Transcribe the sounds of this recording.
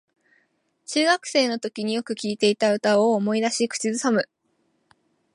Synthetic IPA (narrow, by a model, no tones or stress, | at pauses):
t͡ɕɨːɡakɯ̟̥se̞ːno̞t̪o̞kʲiɲ̟ijo̞kɯ̟kʲiːt̪e̞it̪aɯ̟t̪aoːmo̞id̪aɕikɯ̥t͡ɕizɨsamɯ̟